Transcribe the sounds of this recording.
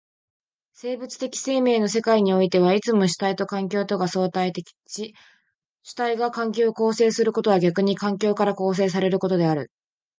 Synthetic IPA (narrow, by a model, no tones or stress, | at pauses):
se̞ːbɯ̟t͡sɨ̥t̪e̞kʲi̥se̞ːme̞ːno̞se̞kaiɲ̟io̞it̪e̞βait͡sɨmo̞ɕi̥t̪ait̪o̞kãŋkʲo̞ːt̪o̞ɡaso̞ːt̪ait̪ekʲi̥t͡ɕi | ɕɨ̥t̪aiɡakãŋk̬ʲo̞ːko̞ːse̞ːsɨɾɯ̟ko̞t̪o̞βaɡʲakɯ̟ɲ̟ikãŋk̬ʲo̞ːkaɾako̞ːs̬e̞ːs̬aɾe̞ɾɯ̟ko̞t̪o̞d̪e̞aɾɯ̟